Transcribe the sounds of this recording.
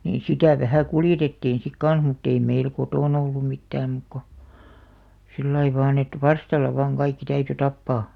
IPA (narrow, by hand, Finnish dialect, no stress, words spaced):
niː sitæˑ ʋæhæˑ kuljetetːiːn̞ sik kɑn̞s mutː ei meil kotoˑn olːum mitːæːm muk ko silːɑi ʋɑːn et ʋɑrstɑlːɑ ʋɑːŋ kɑikːi tæyty tɑpːɑː